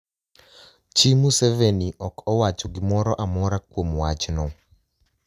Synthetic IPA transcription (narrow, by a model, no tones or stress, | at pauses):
t͡ʃimuseveniʔɔkɔwat͡ʃɔɡɪmɔɾɔʔamɔɾakwomwat͡ʃnɔ